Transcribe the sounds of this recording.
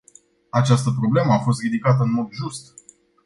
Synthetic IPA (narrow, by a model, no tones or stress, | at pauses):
at͡ʃast̪əpɾo̞ble̞məafo̞st̪rid̪ikat̪əɨnmo̞d̪ʒust̪